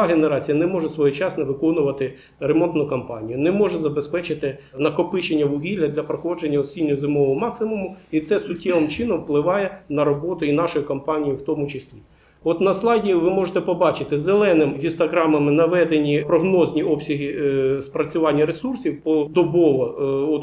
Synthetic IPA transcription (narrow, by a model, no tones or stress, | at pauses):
ɦeneɾɑt͡sʲijɐnɛmɔʒɛsʋɔjit͡ʃɑsnɛʋɪkɔnʊʋɐt̪ɪ | ɾemɔnt̪nʊkɐmpɑ̰nʲijʊnɛmɔʒɛzɐbespɛt͡ʃɪt̪ɪnɐkɔpɪt͡ʃenʲːɐʋʊɦʲilʲːɐd̪lʲɐpɾɔxɔd͡ʒenʲːɐɔsʲinʲːʊzɪmɔʋɔmɑksɪmʊmʊit̪sɛsʊtʲːɛʋɪmt͡ʃɪn̪ɔmwplˠɪʋɑjɛnɐɾɔbɔt̪ʊinɑʃɔjʊkɐmpɑnʲijʊwt̪ɔmʊt͡ʃesʲlʲi | ɔt̪nɐslˠɑdʲiʋɪmɔʒet̪ɛpɔbɑt͡ʃɪt̪ɪzelˠɛnɪmɦʲist̪ɔɦɾɑmɐmɪnɐʋɛd̪enʲipɾɔɦnɔznʲiɔpsʲɐɦispɾɐt͡sʲʊʋɑnʲːɐɾesursʲiwpɔd̪ɔbɔʋɔɔ